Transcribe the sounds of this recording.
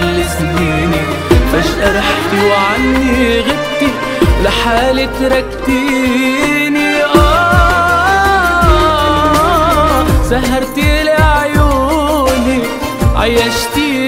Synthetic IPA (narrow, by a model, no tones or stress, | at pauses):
lːɪsbiːni | faʃʔɑɾˤɑħt̪iwʕanːiɣɪdt̪i | lɪħaːlɪt̪ɾˤɑk̚t̪i | niʔæ | saɦːɑɾˤt̪iʔlaʕajuːni | ʕa̰jːaʃt̪i